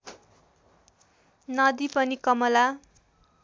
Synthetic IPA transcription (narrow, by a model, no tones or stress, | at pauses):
nʌd̪ipʌnikʌmʌla